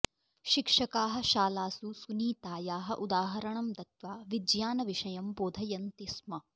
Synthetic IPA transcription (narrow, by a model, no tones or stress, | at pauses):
ʃikʂɐkaːɦɐ̆ʃaːlaːsusuniːt̪aːjaːɦɐʔud̪aːɦɐɾɐɳɐmd̪ɐt̪ʋaːʋid̪jaːnɐʋiʂɐjɐmboːd̪ʱɐjɐnt̪ismɐ